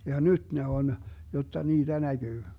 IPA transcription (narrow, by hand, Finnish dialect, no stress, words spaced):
jɑ nyt ne on jotːɑ niːd̥æ næɡ̊yː